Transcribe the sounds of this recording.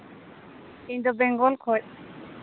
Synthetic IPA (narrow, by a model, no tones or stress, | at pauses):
kint̪ubɛŋɡɔlkʰɔt